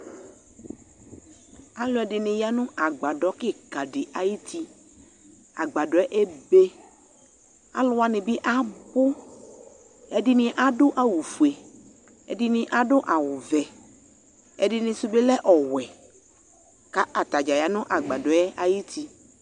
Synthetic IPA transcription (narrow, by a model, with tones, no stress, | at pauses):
a˦lo˦ɛ˨ɖɪ˨nɪ̃˨ja˦nũ˦ʔa˨ɡ͡ba˨ɖɔ˨˦ke˦ka˨ɖɪ˨ʔa˨ji˦t̪ʰi˦ | a˨ɡ͡ba˨ɖɔ˨˦ɛ˦ʔe˦be˦ | a̰˦lʊ˦a˨nɪ̃˨bi˦ʔa˦bo˦ | e˦ɖi˨nɪ̃˨ʔa˦ɖo˦ʔa˨wu˨fu˨e˨ | ḛ˨ɖi˨nɪ̃˨ʔa˦ɖo˦ʔa˨wʊ˨vɛ˨ | ḛ˨ɖɪ˨nɪ̃˨su˦be˦lɛ˦ʔɔ˨wɛ˨ | ka˦ʔa˨t̪a˨d͡ʒa˨ja˨nũ˦ʔa˨ɡ͡ba˨ɖɔ˨˦ɛ˦ʔa˨ji˦t̪ʰi˦